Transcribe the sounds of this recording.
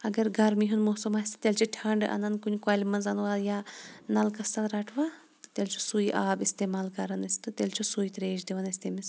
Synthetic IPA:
ɐɡɐɾɡɐɾmiɦunmoːsɐmaːsʲt̪t̪ʲelʲt͡ʃʰiʈʰɐɳɖʔɐ̰nɐnkunʲkaːlʲimɐnzɐnʋaːjaːnɐlkɐsɐnɾɐʈʰʋaː | t̪ɨ̥t̪elʲt͡ʃʰu̥sujʔaːbist̪eːmaːlkɐɾɐnɐsi̥t̪ɨt̪elʲt͡ʃʰusujit̪ɾeːd͡ʒd̪iʋɐnɐsʲt̪emis

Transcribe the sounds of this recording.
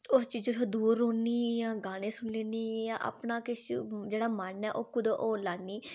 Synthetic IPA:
ʊst͡ʃiːd͡ʒtʰoːd̪uːɾõːniːjãːɡaːɽ̃ẽːsʊɳleːniːjãːʔə̰pnaːkɪsd͡ʒeːɽaːmənɛːʔoːkʊd̪oʔoːlaːnːiː

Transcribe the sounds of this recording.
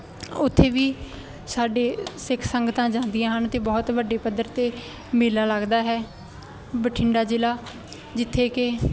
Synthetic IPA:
ʊt̪ʰːeːʋiː | saːɖeːsɪkʰsəŋɡət̪ãːd͡ʒãːnd̪ɪjãːɦənt̪eːbɔːt̪ʋəɖeːpəd̪əɾt̪eː | mɪlaːləɡd̪aːɦɛː | bəʈʰɪɳɖaːd͡ʒɪlaː | d͡ʒɪt̪ʰːeːkɪ

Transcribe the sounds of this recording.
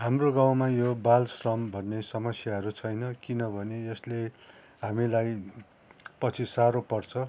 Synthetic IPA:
ɦamroɡaw̃majobalsrʌmbʱʌnːesʌmʌsjaɦʌɾut͡sʰʌjnʌkinʌbʱʌneʌsle | ɦamilaj | pʌt͡sʰisaɾopʌrt͡sʰʌ

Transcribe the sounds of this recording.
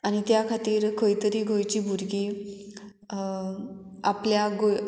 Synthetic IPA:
añit̪jakʰat̪iːɾkʰəjt̪əɾiːɡʱojt͡ɕiːbuɾɡiː | apljaɡo

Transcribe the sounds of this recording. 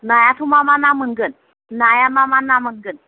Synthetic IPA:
najat̪ʰumamanaməŋɡən | najamamanaməŋɡən

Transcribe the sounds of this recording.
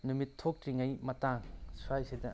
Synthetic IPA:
numitʰːok̚tɾiŋajmɐtaŋsuajsidɐ

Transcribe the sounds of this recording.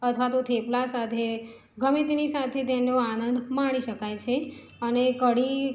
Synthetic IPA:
ət̪ʰʋat̪ot̪ʰeplasat̪ʰe | ɡʱəmit̪nisat̪ʰet̪enoanənd̪ʱmaɽ̃iʃəkajt͡ʃʰe | ənekəɽi

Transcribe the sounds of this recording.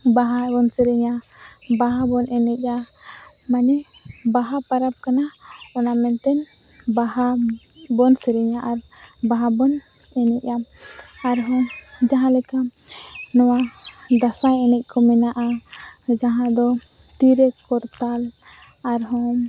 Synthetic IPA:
baɦabɔnsɛɾɛɲa | baɦabɔnʔɛnɛc̚ˀa | manɛ | baɦapaɾap̚kana | ɔnamɛnt̪ɛn | baɦa | bɔnsɛɾɛɲaʔaɾ | baɦabɔn | ɛnɛc̚aaɾɦɔ̃ | d͡ʒaɦãlɛka | nɔwa | d̪asajɛnɛc̚ˀkɔmɛnaʔa | d͡ʒaɦãd̪ɔt̪iɾɛkɔɾt̪al | aɾɦɔ̃

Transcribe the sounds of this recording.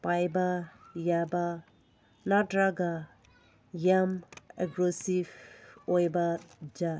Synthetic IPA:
pajbɐjaba | nadɾaɡa | jameɡɾosibojbɐd͡ʒa

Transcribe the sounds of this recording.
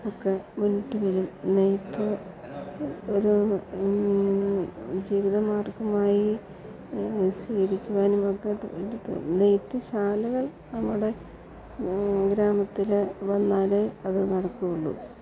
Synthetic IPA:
okːemuniʈːumilumnejt̪ːɨ | oɾu | d͡ʑiːʋiðɐmaːrkɐmaːji | siːɣɐɾikʲːuʋaːnumokːeedut̪ːṵnejt̪ːɨɕaːlɐɣɐɭ | nɐmːuɽe̞ | ɡɾaːmɐt̪ːileʋɐnːaːleɐðɨnɐɽɐkːuɣuɭːṵ

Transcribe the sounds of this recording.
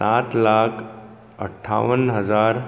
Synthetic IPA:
at̪lakʰ | ə̰ʈʰːa̰ʋənɦəd͡zaɾ

